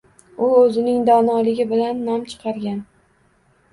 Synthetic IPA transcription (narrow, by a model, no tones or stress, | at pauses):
ʊɵzɪnɪŋd̪ɒnɒlɪɡʲɪbɪlanːɒmt͡ʃʰɨ̥qʰɑɾɡʲan